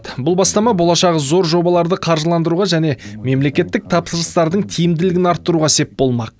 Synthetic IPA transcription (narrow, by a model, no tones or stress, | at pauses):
bʊlˠbɑst̪ɑmɑbo̞lˠɑʃɑʁəzo̞ɾʒo̞bɑlˠɑɾd̪əqʰɑɾʒəlˠɑnd̪əɾuʁɑʒæne̞me̞mle̞kʲe̞t̪ːɪk̚t̪ʰɑpsəɾəst̪ɑɾd̪əɴt̪ʰijɪmd̪ɪlɪɡɪnɑɾt̪ːəɾuʁɑse̞p̚bo̞lˠmɑq̚